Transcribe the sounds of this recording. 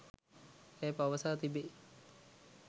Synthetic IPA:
eːpaʋəsaːt̪ibe

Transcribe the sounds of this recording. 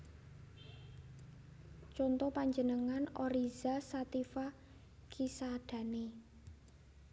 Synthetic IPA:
t͡ʃɔnt̪ɔpaɲd͡ʒənəŋanɔɾizasat̪ifa | kʰisad̥ä̤ne

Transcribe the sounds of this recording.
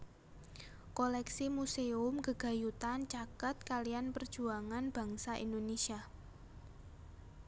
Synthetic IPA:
kolɛksimuseʊmɡəɡ̥a̤jut̪ant͡ʃakət̪̚kalijanpərd̥ʒ̥uaŋanb̥ä̤ŋsaʔḭndonesia

